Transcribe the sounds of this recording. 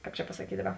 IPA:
ˈkɑːp t͡ʃʲɛ pɐsɐˈkʲiːtʲ ˈdɑːˌbɐ

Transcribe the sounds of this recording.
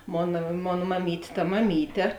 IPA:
ˈmoːnɐ ˈmoːn mɐˈmʲiːtʲ tɐ mɐˈmʲiːtʲɛ

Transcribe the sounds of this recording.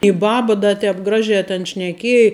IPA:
ɪ ˈbɑːbɐ dɐ ˈtʲɛːp ˈɡrɑːʒʲɛː tʲɛn ʃʲnʲɛˈkʲiɛj

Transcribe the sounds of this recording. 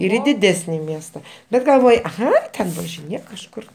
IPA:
ɪr ɪ dʲɪˈdʲæːsʲnʲɪ ˈmʲiɛstɐ ˈbʲɛt ɡɐlˠˈʋoːj ˈɐɪ tʲɛn ʋɐʒʲɪˈnʲeːk kɐʃˈkʊr

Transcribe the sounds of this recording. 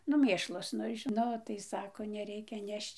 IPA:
nʊ ˈmʲeːʃlˠɐs ˈnʊ ɪ ʒʲɪˈnoː ˈnʊ tɐɪ ˈsɑːkoː nʲɛˈrʲɛɪkʲɛ ˈnʲɛʃt͡ʃ

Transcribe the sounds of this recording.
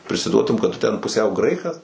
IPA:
pʲrʲɪsʲɪˈduɔtʊm kɐt ˈtʊ tʲɛn pʊˈsʲɛʊ ˈɡrɐɪkɐs

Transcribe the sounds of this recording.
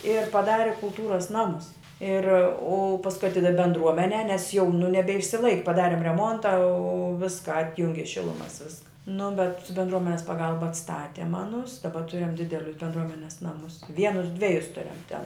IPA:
ɪr pɐˈdɑːrʲɪ kʊlˠˈtuːrɐs ˈnɑːmʊs ɪr ʊ pɐsˈkʊɪ ɐˈtʲɪdɐw bʲɛndˈruɔmʲɛnʲɛː nʲɛs jɛʊ nʊ nʲɛbʲɛɪʃʲsʲɪˈlˠɐɪkʲ pɐˈdɑːrʲɪm rʲɛˈmoːntɐ oː ˈʋʲɪskɐ ˈɑːtʲjʊŋʲɡʲɪ ˈʃʲɪlˠʊmɐs ˈʋʲɪskɐ nʊ bʲɛt bʲɛndˈruɔmʲɛnʲɛs pɐˈɡɐlˠbɐ ɐtsˈtɑːtʲɛm ˈɑːnʊs dɐˈbɐ ˈtʊrʲɪm ˈdʲɪdʲɛlʲʊs bʲɛndˈruɔmʲɛnʲɛs ˈnɑːmʊs ˈʋʲiɛnʊs ˈdʲʋʲæːjʊs ˈtʊrʲɛm tʲɛn

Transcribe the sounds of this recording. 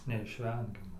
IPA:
nʲɛɪʃʲˈʋʲɛŋʲɡʲɛmɐ

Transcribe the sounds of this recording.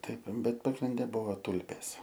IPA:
ˈtɐɪp ˈbʲɛt pɐɡrʲɪnʲˈdʲɛ ˈbʊʋoː ˈtʊlʲpʲeːs

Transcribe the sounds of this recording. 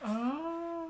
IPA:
ˈɐ

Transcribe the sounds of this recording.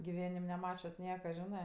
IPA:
ɡʲɪˈʋʲæːnʲɪm nʲɛˈmɑːt͡ʃʲʊs ˈnʲiɛkɐ ˈʒʲɪnɜ

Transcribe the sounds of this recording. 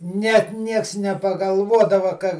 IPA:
ˈnʲɛt ˈnʲiɛks nʲɛpɐɡɐlˠˈʋuɔdɐʋɐ kɐ

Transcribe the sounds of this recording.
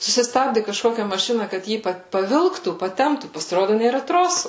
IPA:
sʊsʲɪˈstɑːbʲdʲɪ kɐʃˈkoːkʲɛ mɐˈʃʲɪnɐ kɐt ˈjiː pɐ pɐˈʋʲɪlˠktuː pɐˈtʲɛmptuː pɐsʲɪˈroːdʊ nʲeːˈrɐ ˈtroːsʊ

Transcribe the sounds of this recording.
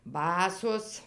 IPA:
ˈbɑːsoːs

